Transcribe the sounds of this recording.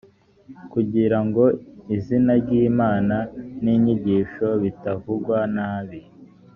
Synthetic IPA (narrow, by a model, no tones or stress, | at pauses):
kuɟiɾaŋɡo̞izinaɾɟiːmaːnaniɲiɟiːʃo̞βitavuɡwanaːβi